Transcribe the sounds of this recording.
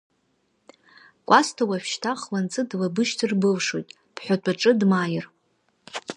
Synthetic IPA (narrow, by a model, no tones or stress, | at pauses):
kʷʼastʰawafʃtʰaχlant͡sʼɨdlabɨʃtʰɨrbɨlʂojtʼ | b̥ʰħʷᶣatʷʰʼaʈ͡ʂʼɨdmajɪr